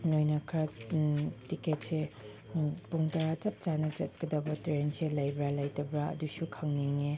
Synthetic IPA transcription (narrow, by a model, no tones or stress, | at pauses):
nojnɐkʰɐ | tiket̚se | puŋtat͡ʃɐp̚t͡ʃanɐt͡ʃɐt̚ɡɐdɐbɐtɾenselɐjbɾalɐjtɐbɾaɐ̰dusukʰɐŋniŋe